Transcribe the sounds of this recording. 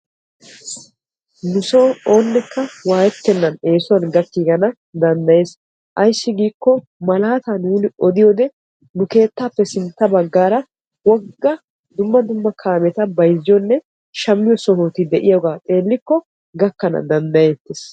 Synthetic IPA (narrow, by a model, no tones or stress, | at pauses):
nʊsoːoːnːɛkːɐwaːjɛt̪ːɛnːɐne̞ːsʊwɐnɡɐkːiːɡɐnɐ | d̪ɐnd̪ɐje̞ːs | ʔɐjsːɪɡiːkːɔ | mɐlaːt̪ɐnuːnɪʔɔd̪ɪjoːd̪ɛ | nʊke̞ːt̪ːaːpːɛsɪnt̪ːɐbɐɡːaːɾɐ | wɔɡːɐ | d̪ʊmːɐd̪ʊmːɐkʰaːmɛt̪ɐbɐjzɪjɔnːɛ | ʃɐmːɪjɔsɔɦoːt̪ɪd̪ɛʔɪjɐɡaːt̪ʼe̞ːlːɪkːɔ | ɡɐkːɐnɐ̰d̪ɐnd̪ɐjet̪ːes